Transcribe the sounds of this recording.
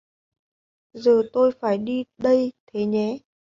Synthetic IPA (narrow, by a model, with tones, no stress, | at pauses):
zəː˨˩t̪o˧jfaː˧˩jɗi˧ɗə˧jt̪ʰe˨˦ɲɛ˨˦